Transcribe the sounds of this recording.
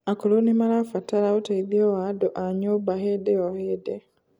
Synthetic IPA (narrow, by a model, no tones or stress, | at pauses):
akolonimalafataɾaotaiðjowadoʔaɲobahedejohede